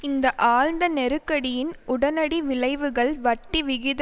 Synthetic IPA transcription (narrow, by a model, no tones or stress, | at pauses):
ɪnd̪ɐʔaːɻnd̪ɐnɛɾɯkːɐɽɪjɪnʊɽɐnɐɽiʋɪɭɐɪʋɯɣɐɭʋɐʈːiʋɪɣɪð